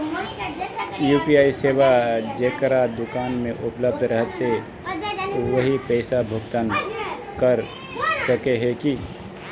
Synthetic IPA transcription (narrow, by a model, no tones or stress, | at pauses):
juːpiaːiseːwad͡ʒeːkəɾad̪ʊkaːnmẽʔʊpləb̚d̪ʱɾəɦt̪e | t̪oʋəɦipɛːɪsabʱʊɡt̪ən | kəɾ | səkeɦɛki